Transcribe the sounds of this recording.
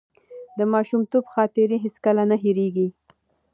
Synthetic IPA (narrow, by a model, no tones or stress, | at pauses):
d̪əmɑʃumt̪obxɑt̪ɪɾiɦeskəlanaɦiɾeɡi